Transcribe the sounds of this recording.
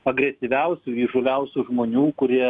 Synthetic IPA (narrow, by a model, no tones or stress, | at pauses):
ɐɡɾʲɛsʲɪʋʲɛʊsʲuiːʒolʲɛʊsʲuːʒmoːnʲuːkʊɾʲiɛ